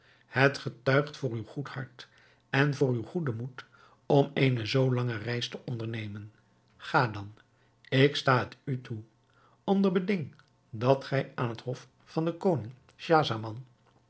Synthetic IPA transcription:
hətχətœɥχtfʊːɹywχuthɑɹt | ɛnvʊːɹywχudəmut | ɔmejnəzowlɑŋərɛjstəʔɔndəɹnejmən | χaːdɑn | ɪkstaːətytʰu | ɔndəɹbədɪŋ | dɑtχɛjaːnɦətɦɔf | fɑndəkownɪŋ | ʃaːzamɑn

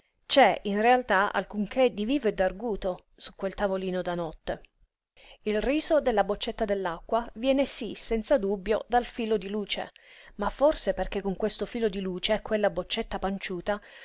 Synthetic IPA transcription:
t͡ʃɛinrealt̪aa̰lkuŋkʰed̪iviːved̪arɡuːt̪o | su̥kːwelt̪avoliːnod̪anɔt̪ːe | ilriːzod̪elːabot͡ʃːet̪ːad̪elːakːwavjɛːnesisɛnt̪sad̪ubːjo̰d̪alfiːlod̪iluːt͡ʃḛmafːorseperkekːoŋkwest̪ofiːlod̪iluːt͡ʃekwelːabot͡ʃːet̪ːapant͡ʃuːt̪a

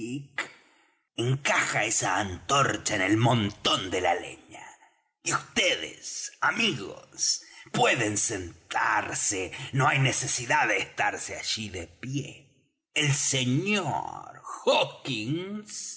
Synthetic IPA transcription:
ik | eŋkaxaesaːnt̪o̞ɾt͡ʃaene̞lmõnt̪o̞nd̪e̞la̰lḛɲa | iust̪eðḛsamiɣo̰spwe̞ðensent̪aɾsenoajne̞se̞siðaðeːst̪aɾseaʒiðepjeː | lseɲo̰ɾxokiŋs

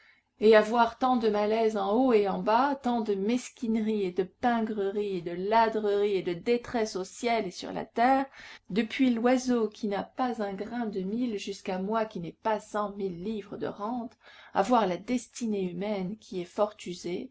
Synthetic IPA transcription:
eavwaʁt̪ɑ̃d̪əmalɛzɑ̃oeɑ̃bat̪ɑ̃d̪əmɛskʲinʁied̪əpɛ̃ɡʁəʁied̪əlad̪ʁəʁied̪əd̪et̪χɛsosjɛlesy̰ʁla̰t̪ɛːʁd̪əpɥilwazokʲʰinapazɛ̃ɡʁɛ̃d̪əmilʒyskamwakʲinɛpasɑ̃milːivʁəd̪ə̰ʁɑ̃t̪a̰vwaʁlad̪ɛst̪ineymɛnkʲʰiɛfɔʁt̪yze

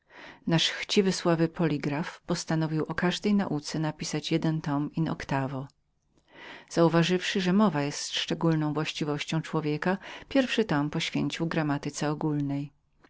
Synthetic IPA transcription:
naʂxt͡ɕivɘswavɘpʰɔlʲiɡɾafpɔst̪anɔvʲiwʔɔkaʐd̪ɛjna̰ʔut̪sɛnapʲisat͡ɕjɛd̪ɛnt̪ɔminɔ̰kt̪avɔ | z̥auvaʐɘfʂɘʐɛmɔvajɛst̪ʂt͡ʂɛɡulnɔ̃w̃vwaɕt͡ɕivɔɕt͡ɕɔ̃w̃t͡ʂwɔvʲjɛkapʲjɛɾfʂɘt̪ɔmpɔɕfʲjḛɲt͡ɕiwɡɾamat̪ɘt̪sɛɔɡulnɛj

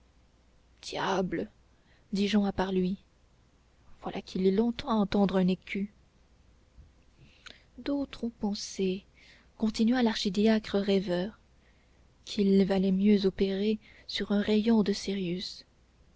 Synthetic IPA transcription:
d̪̥jablə | d̪iʒɑ̃apaʁlɥi | v̥walʔakʰilɛlɔ̃t̪ɑ̃aɑ̃t̪ɑ̃d̪ʁɛ̃nekʰʲy | d̪ot̪χɔ̃pɑ̃se | kɔ̃t̪inɥalaʁʃid̪jakχəʁɛvœːʁ | kʰilvalɛmjøzɔpeʁe | syʁɛ̃ʁejɔ̃d̪əsiʁjys

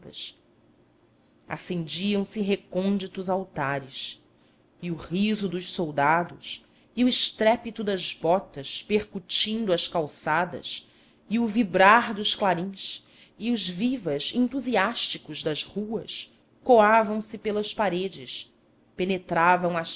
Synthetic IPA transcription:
t̪ɐs | a̰sẽnd͡ʒiɐ̃w̃sɪɦekõnd͡ʒit̪ʊzawt̪aɾɪs | iʊhizʊd̪ʊʃsowd̪ad̪ʊs | iʊɪʃt̪ɾɛpit̪ʊd̪ɐzbɔt̪ɐʃpeχkut͡ʃĩnd̪uɐʃkawsad̪ɐ̰s | iʊvibɾaɾd̪ʊʃklaɾĩʃ | iʊzvivɐzẽnt̪uziaʃt͡ʃikʊzd̪ɐzhuɐ̰s | koavɐ̃w̃sɪpelɐʃpaɾed͡ʒɪʃ | penet̪ɾavɐ̃w̃ɐʃ

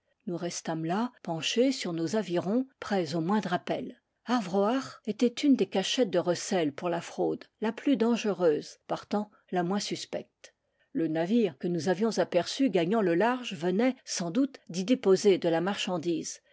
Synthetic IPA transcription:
nuʁɛst̪amlapɑ̃ʃesyʁnozaviʁɔ̃pχɛzomwɛ̃d̪ʁapɛl | aʁvʁoaʁet̪ɛt̪ynd̪ekaʃɛt̪̚d̪əʁəsɛlpuʁlafχod̪laplyd̪ɑ̃ʒəʁøːzpaʁt̪ɑ̃ | lamwɛ̃syspɛk̚t̪ | lənaviʁkənuzavjɔ̃zapɛʁsyɡaɲɑ̃ləlaʁʒvənɛsɑ̃d̪ut̪d̪id̪epozed̪əlamaʁʃɑ̃d̪iːz

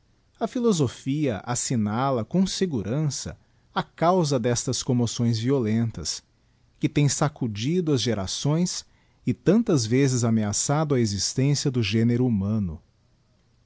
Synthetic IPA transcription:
ɐfilozofiɐʔasinalɐkõseɡuɾɐ̃sɐ̰ | akawzɐd̪ɛst̪ɐskõmosõj̃zviolẽnt̪ɐ̰s | kɪt̪ẽj̃sakud͡ʒid̪ʊɐzʒeɾa̰sõj̃s | ɪt̪ɐ̃nt̪ɐzvezɪzameasad̪ʊɐezist̪ẽsiɐd̪ʊʒeneɾʊumɐ̃nʊ̰

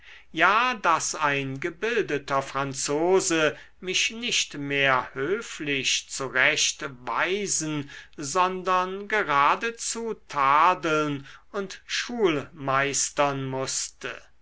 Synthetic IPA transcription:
jaːdasaɪnɡəbɪldətɐfʁ̥ant͡soːzə | mɪʃnɪʃtmeːɐhøːflɪʃt͡suʁɛʃtva̰ɪzn̩zɔndɐnɡəʁaːdət͡sutʰaːdl̩nʊntʃuːlmaɪstɐnmʊstə̰

